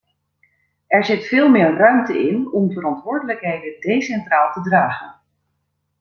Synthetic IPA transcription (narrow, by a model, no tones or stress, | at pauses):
ʔɛɹzɪtfɪːlˠmɪːrrœɥmtəɪnɔmvərɑntʋʊːɹdələkɦejdədejsɛntraːlˠtədraːχən